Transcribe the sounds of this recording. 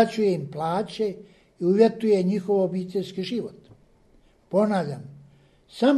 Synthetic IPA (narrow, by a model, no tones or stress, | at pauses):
at͡ɕujeimplaːt͡ɕe | iuʋje̞t̪uje̞ɲixo̞ʋobiːt̪eʎskiʒiʋot̪ | po̞naːʋʎʲam | sam